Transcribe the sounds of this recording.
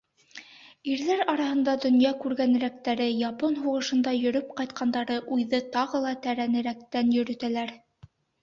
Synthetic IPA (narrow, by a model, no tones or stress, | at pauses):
iɾðæɾɑɾɑhɤ̆nd̪ɑd̪ŏnjɑkʉɾɡænɘ̆ɾæk̚t̪æɾɘjɑponɦuʁɤ̆ʃɤ̆nd̪ɑjɵ̆ɾɵp̚qɑjt̪̚qɑnd̪ɑɾɤʔujðɤt̪ɑʁɤlˠɑt̪æɾænɘ̆ɾækt̪ænjɵ̆ɾɵ̆t̪ælæɾ